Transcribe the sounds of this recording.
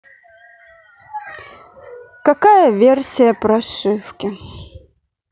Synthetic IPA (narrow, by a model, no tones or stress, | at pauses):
kɐkajəvʲersʲɪjəpɾɐʂɨfkʲɪ